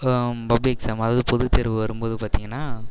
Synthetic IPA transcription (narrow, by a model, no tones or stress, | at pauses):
pɐbliksaːmɐðaːðɯpɔðɯt̪ɛɾɯʋɯʋɐɾɯmboːðɯpaːɾt̪iːŋɡɐnːaː